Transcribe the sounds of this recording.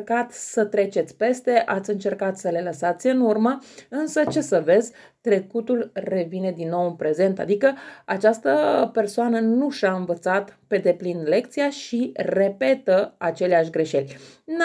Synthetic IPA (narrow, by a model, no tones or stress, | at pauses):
kat̪sət̪ɾe̞t͡ʃe̞t̪sʲpe̞st̪e̞ʔat̪sʲɨnt͡ʃe̞rkat̪səle̞ləsat̪sʲɨnurməɨnsət͡ʃe̞səve̞zʲ | t̪ɾe̞kut̪ulre̞vine̞d̪inːo̞wɨnpɾe̞ze̞nt̪a̰d̪ikəat͡ʃast̪əpe̞rsoanənuʃaɨnvət̪sat̪pe̞d̪e̞plinle̞k̚t̪sijaʃire̞pe̞t̪əat͡ʃe̞leaʃʲɡɾe̞ʃe̞lʲ